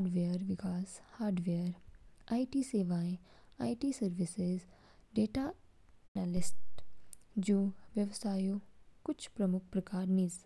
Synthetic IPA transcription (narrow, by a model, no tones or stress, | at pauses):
ɖʋeɾʋɪkaːshaːɾɖʋeɾaːiʈiːseːʋaːẽ | a̰ːiʈiːsɐɾʋɪsez | ɖeːʈaː | nalɪsʈ | d͡ʒoːʋjɐʋsaːjokʊt͡ʃʰpɾɐmʊk̚ʰpɾɐkaːɾniːs